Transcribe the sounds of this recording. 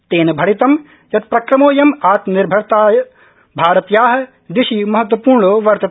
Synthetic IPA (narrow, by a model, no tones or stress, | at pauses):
t̪eːnbʱɐɽit̪ɐm | jɐt̪̚pɾɐkɾɐmoːjɐmaːt̪nɪɾbʱɐɾt̪aːj | bʱaːɾɐt̪jaːɦɐ̆ | d̪ɪʃimɐɦɐt̪ːwɐpuːɾɳoʋɐɾt̪ɐ